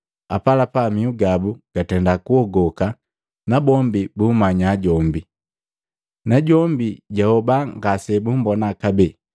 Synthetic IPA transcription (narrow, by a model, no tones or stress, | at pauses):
apalapamiuɡabuɡ̥atɛndakuɔɡɔka | nabɔmbibuːmaɲaːɟɔmbi | naɟɔmbiɟahɔbaŋɡasɛbum̩bɔnakabɛ